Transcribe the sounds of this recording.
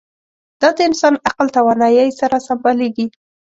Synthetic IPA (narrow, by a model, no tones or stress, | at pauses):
d̪̥ɑd̪əɪnsɑnaqlt̪awanɑjajsaɾasambaleɡi